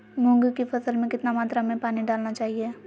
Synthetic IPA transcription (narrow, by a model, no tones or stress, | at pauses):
mʊ̃ŋɡkifɐsəlmẽkɪt̪namaːt̪ɾamẽpaːniɖaːlnat͡ʃaːɦieː